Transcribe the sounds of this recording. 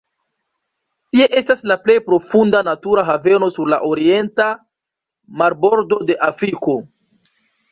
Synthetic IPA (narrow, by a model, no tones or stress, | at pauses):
tie̞ʔe̞staslaple̞jpɾo̞fundanatuɾaɦave̞no̞suɾlaʔoɾie̞nta | maɾbo̞ɾdo̞de̞ʔafɾiko̞